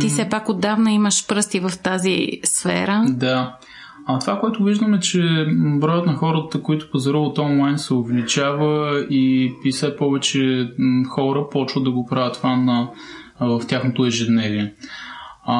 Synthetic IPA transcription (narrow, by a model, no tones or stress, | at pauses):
t̪isɛpakod̪ːavnɐiməʃpɾɤst̪ivəft̪azḭsfɛ̰ɾəd̪a | ɐt̪ovakoɛt̪ʊviʒd̪əmɛt͡ʃɛbɾɔjət̪nɐxɔɾət̪əkoit̪ʊ̥pɐzɐɾilˠot̪ɔnlˠajnsɛovlit͡ʃavəipisɛpɔvɛt͡ʃɛxɔɾəpɔt͡ʃvəd̪ɐɡopɾavʲət̪vanɐ | vɐft̪ʲjaxnot̪ʊɛʒɛd̪nɛliɛ